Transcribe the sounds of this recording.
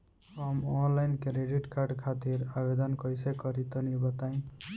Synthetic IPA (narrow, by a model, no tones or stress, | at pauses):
ʌmɔnlajnkeɾeɖiʈkaɾɖkʰat̪iɾabed̪ʌnkʌjsekʌɾit̪ɔnibʌt̪aĩ